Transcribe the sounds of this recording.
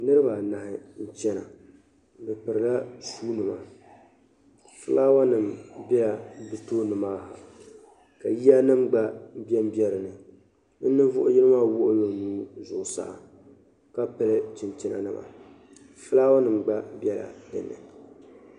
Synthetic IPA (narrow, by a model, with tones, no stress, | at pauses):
nɨ˦ɾɨ˦ba˨na˨ɦɪ˨n̩˨t͡ʃɛ˦na̰˨ | bɨ˨pɨ˨ɾɨ˨la˦suː˦nɨ˨ma̰˨ | fɨ˦laː˦wa˦nɨ˨mbɛ˦ja˨˦bɨ˦toː˦nɨ˨maː˦ɦa˨ | ka˨ji˦a˦nɨ˦mɡ͡ba˦bɛ˦m˦bjɛ˦ɾɨ˨nɨ˨ | n̩˦nɨ˦ɱvʊ˦ʔʊ˦jɪ˦lɨ˦maː˦wʊ˦ʔʊ˦jo˨nuː˦zʊ˨ʔʊ˨sa̰˨ʔ | ka˦pɨ˦lɨ˦t͡ʃɪ˨nt͡ʃɪ˦na̰˨nɨ̰˦˨ma̰˨ | fɨ˦laː˦wa˦nɨ˨mɡ͡ba˦bɛ˦la̰˨dɨ̰˨nːɨ̰˨